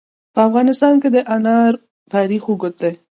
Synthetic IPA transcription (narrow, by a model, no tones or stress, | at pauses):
pəafɣɑnɪst̪ɑnked̪əʔanɑɾ | t̪ɑɾixuɡʊt̪̚d̪ej